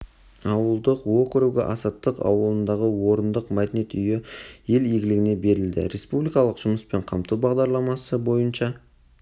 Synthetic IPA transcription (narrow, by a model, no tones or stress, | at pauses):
ɑwəlˠd̪əqwo̞kʲɪɾuɡʲɪ̰ʔɑ̰sɑt̪ːəqɑ̰wəlˠənd̪ɑʁəwo̞ɾənd̪əqmæd̪ʲene̞t̪ʏjɪje̞lijɡʲɪlɪɡʲɪne̞be̞ɾɪld̪ɪ̰ɾe̞spublijkɑlˠəqʒ̥ʊməspe̞ɴqʰɑmt̪ubɑʁd̪ɑɾlˠɑmɑsəbo̞jənʃɑ